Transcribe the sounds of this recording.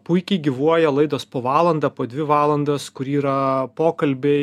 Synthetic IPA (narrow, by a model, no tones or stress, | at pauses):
pʊɪkʲɛɪɡʲiʋuɔjɛlˠɐɪd̪oːspoːʋɑːlˠɐnd̪ɐpoːd̪ʲʋʲɪʋɑːlˠɐnd̪oːskʊɾiːɾɐpoːkɐlʲbʲe